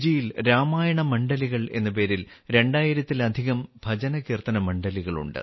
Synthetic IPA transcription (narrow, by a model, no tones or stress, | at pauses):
d͡ʑijilɾaːmaːjɐɳɐmɐɳɖɐliɣɐɭe̞̰nːɐp̬e̞ːɾilɾe̞ɳɖaːjiɾɐt̪ːilɐd̪ʱiɣɐmbʱɐd͡ʑɐnɐkiːrt̪ɐnɐmɐɳɖɐliɣɐɭṵɳɖɨ̰